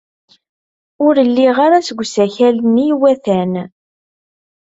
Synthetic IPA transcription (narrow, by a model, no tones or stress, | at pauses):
ʊɾəlːiʁaɾasɡʷsæçælənːijwæθæn